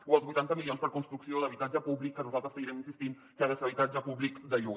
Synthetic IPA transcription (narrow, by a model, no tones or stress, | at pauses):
uəlˠzβujt̪ant̪əmilionspəɾkunst̪ɾuksioləβit̪ad͡ʒəpuβlikːənuzalˠt̪ɾəsəɣiɾɛminsist̪in | kaðəseβit̪ad͡ʒəpuβlikd̪əʎuɣ